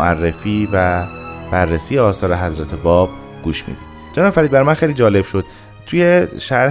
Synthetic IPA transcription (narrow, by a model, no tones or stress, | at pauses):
ʔærːefiːvæb̥ærːesijeɒːsɒːɾeɦæzɾæt̪ʰebɒːb̥ | ɡ̥uːʃmḭːd̪iːd̪̥ | d͡ʒenɒːbefæɾid̪bæɾmænxejliːd͡ʒɒːle̞b̥ʃod̪̥ | t̪ʰujeʃæɾ